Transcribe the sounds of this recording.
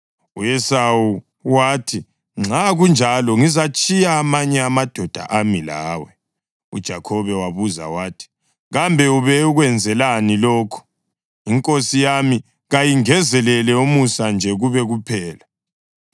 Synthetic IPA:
uɛsawu | waːtʰi | ŋ͡ǁʱaɣund͡ʒʱalɔŋizat͡ʃʼijaːmaɲɛamad̥ʱɔd̥ʱa̰ʔamila̰ːwɛ | ṵd̥ʒ̥ʱakʰɔβɛwaβuza̰waːtʰi̥ | ɣambʱɛuβɛuɣwɛnd͡zʱɛlanilɔːkʰu̥ | iŋkʼosijami | ɣajiŋɛzɛlɛlɛumusand͡ʒʱɛɣuβɛɣupʰɛːla

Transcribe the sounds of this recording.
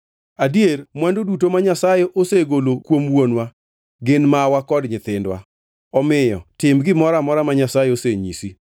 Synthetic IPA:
adiermwandodutomaɲasajɛʔoseɡolokwomwonwa | ɡɪnmawakɔdɲɪt̪ɪndwa̰ | ɔmɪjɔ̰tɪmɡɪmɔɾamɔɾamaɲasajɛoseɲisi

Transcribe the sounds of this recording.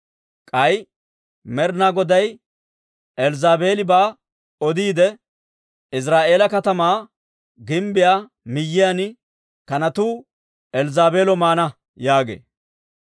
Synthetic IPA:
kʼɐj | mɛɾnaːɡɔd̪ɐj | ɛlzaːbeːlɪbaː | ɔd̪iːd̪ɛ | ɪs̬ɾaːʔe̞ːlɐkɐt̪ɐmaː | ɡɪmbɪjaː | mɪjːɪjan | kɐnɐt̪uː | ɛlzaːbe̞ːlɔmaːnɐ | jaːɡḛː

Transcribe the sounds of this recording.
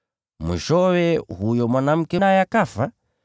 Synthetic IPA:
mwḭʃɔwɛhujɔmwanam̩kɛnajakafa

